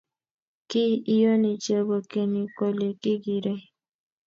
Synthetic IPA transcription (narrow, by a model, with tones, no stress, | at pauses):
ki˦i˦jo˦ni˨t͡ʃe˨bo˨ke˨ni˨ko˨le˨ki˦ɡi˨ɾe˦